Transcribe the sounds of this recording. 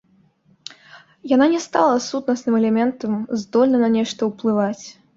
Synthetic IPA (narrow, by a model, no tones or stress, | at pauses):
jananʲɛst̪alˠɐsut̪nɐsnɨmɛlʲɛmʲɛnt̪ɐmzd̪ɔlʲnɐnɐnʲɛʂt̪ɐwplˠɨvat͡sʲ